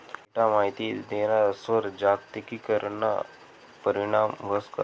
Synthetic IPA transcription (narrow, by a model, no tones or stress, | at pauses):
ʈamaɦit̪id̪eɾasʋəɾd͡ʒakt̪ikikəɾna̰ | pəɾiɽ̃aːmʋəska̰